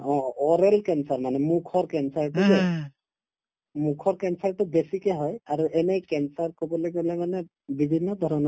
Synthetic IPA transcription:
ɔ̃ɔɾelkɛnsaɹmanɛmukʰɔɹkɛnsaɹʈuze | mukʰɔɹkɛnsaɹʈubesikeɦɔjaɾuʔɛnejkɛnsaɹkɔbɔleɡolɛmanɛ | bibʱinːɔd̪ʱɔɾɔnɔ

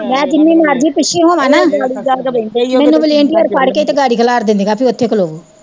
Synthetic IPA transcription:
mɛ̃ːd͡ʒɪnːẽːmaːɾd͡ʒiːpɪʃiːɦõːʋãːnaːɽiamɛːnũːbəlieɳʈiːəɾpʰaɽket̪eːɡaːɽiːkʰəlaːɾd̪ɪ̃nd̪iːɡaːpʰiːʊt̪ʰːeːkəloːʋuː

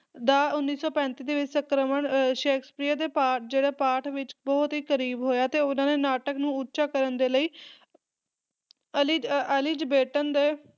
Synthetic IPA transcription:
d̪aːʊnːiːsɔːpɛ̃ːnt̪iːd̪eːʋɪt͡ʃsəkɾəməɳʃeːkʰspɾiːaːd̪eːpaːʈd͡ʒeːɽaːpaːʈʰʋɪt͡ʃbɔːʊt̪ɦiːkəɾiːbɦoːjaːt̪eːʊnãːneːnaːʈəknũːʊtːʃaːkəɾənd̪eːləiː | əliəliːd͡ʒbeːʈənd̪eː

